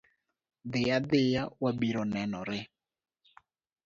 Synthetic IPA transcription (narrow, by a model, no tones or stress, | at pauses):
ðɪjaðɪjawabiɾɔnɛnɔɾɪ